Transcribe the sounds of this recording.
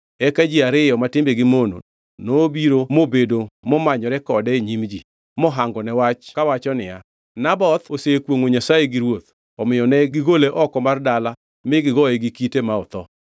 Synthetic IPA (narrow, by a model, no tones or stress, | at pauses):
ɛkad͡ʒiaɾɪjɔmatɪmbeɡɪmono̰ | nobiɾomobedomɔmaɲɔɾɛkɔdɛeɲimd͡ʒi | mɔɦaŋɡɔnɛwat͡ʃkawat͡ʃɔnɪja̰ | nabɔt̪osekwoŋoɲasajeɡiɾwot̪ | ɔmɪjɔnɛɡɪɡoleʔɔkɔmardala | mɪɡɪɡɔɛɡikitemaɔt̪ɔ